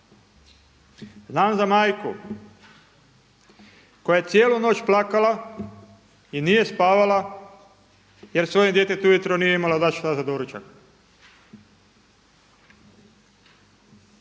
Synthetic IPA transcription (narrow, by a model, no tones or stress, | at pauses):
znaːmzamaːjku | kojaje̞t̪sʲjeːluno̞ːt͡ɕplˠaːkala | inije̞spaːʋala | je̞ɾsʋojid̪je̞ːt̪et̪ujet̪ɾonije̞imalad̪at͡ʃlazad̪oɾut͡ɕa̰k